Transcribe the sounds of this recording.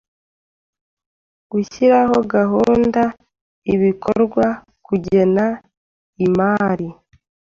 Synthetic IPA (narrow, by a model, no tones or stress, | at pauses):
ɡ̥uçiɾaho̞ɡaɦuːnda | iβiko̰ɾɡwa | kuɟe̞na | imaːɾi